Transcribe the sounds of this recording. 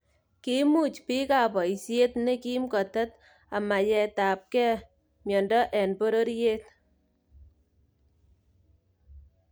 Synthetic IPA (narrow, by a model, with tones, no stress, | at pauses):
ki˦mu˦˨t͡ʃpi˦ka˨pɔ˨i˨sje˦tne˦ki˦mkɔ˨ta˦t | a˨ma˨jɛ˧taː˨p̚kɛː˦ | mjɔ˨ndɔ˦ʔɛ˨nbo˦ɾo˦ɾjeː˦t̚